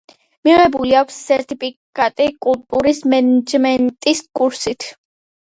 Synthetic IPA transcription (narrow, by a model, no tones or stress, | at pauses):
miʁɛbuliakʷʰsːɛɾt̪ʰipʰikkʼat̪ʼikʼulˠt̪ʼuɾismɛnɛd͡ʒmɛnt̪ʼiskʼuɾsit̪ʰ